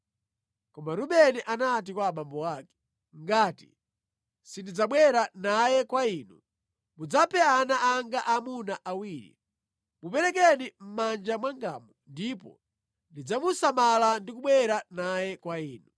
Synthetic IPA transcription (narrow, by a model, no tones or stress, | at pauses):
kɔmaɾuɓɛnɛʔanat̬ikwaːɓambɔwakɛ̥ | ŋɡaːtḭ | sindid͡zaɓwɛɾanajɛkwaiːnu | mud͡zapʰɛanaʔaŋɡaʔamunaʔawiːɾḭ | mupɛɾɛkɛnim̩mand͡ʒamwaŋɡa̰mundipɔ̰ | ndid͡zamusamalandik̬uɓwɛɾanajɛkwaiːnu